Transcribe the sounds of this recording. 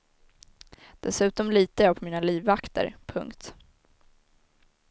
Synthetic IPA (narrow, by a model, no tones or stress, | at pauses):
d̪̥ɛsʉ̟ːt̪ɔmliːt̪əjɑːpʰɔmiːnaliːvːakt̪ə̰ɾpʰɵ̰ŋkt̪